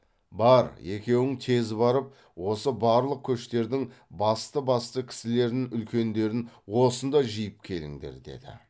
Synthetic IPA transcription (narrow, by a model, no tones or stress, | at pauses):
bɑɾe̞kʲe̞wɪŋt̪ʰe̞zɪbɑɾəp̚ | wo̞səbɑɾlˠəq̚kʲʰɵʃt̪e̞ɾd̪ɪŋbɑst̪əbɑst̪əkʲʰɪ̥sɪle̞ɾnɪŋʏlkʲe̞nd̪e̞ɾɪnwo̞sənd̪ɑʒijɪp̚kʲʰe̞lɪ̰ŋd̪e̞̰ɾd̪e̞̰d̪ɪ̰